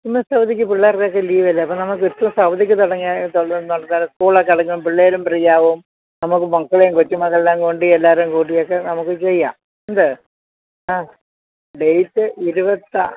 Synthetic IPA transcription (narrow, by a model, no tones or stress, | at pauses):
imːɐsɐwɐd̪ikʲːɨpiɭːɐɐrkːejokːeliːʋɐlːɐɐpːoːnɐmuk̬ːuɾt̪ːumsɐwɐd̪ikʲːɨt̪oɽɐŋːiat̪onːoɽɐnːaːluskuːɭɐkːɐɽɐkːɐʋumpiɭːejilumprijaːʋum | nɐmukːɨmɐkːɐɭejumkot͡ɕːumɐkɐɭlːaːŋkoɳɖielːaːɾumkuːʈːijokːenɐmukːɨt͡ɕejːaː | endɨ | aː | ɖejtːɨiɾubɐt̪ːɐ̰